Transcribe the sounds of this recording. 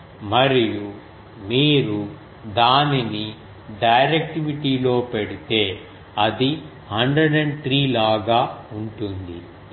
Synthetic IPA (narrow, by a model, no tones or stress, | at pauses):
mɐɾiju | miːɾu | d̪aːnini | ɖɐjɾek̚ʈiʋiʈiːlo̞ːpeɽit̪e̞ː | ɐd̪i | hɐɳɖɾɐɖeɳt̪ɾiːlaːɡaːuɳʈund̪ḭ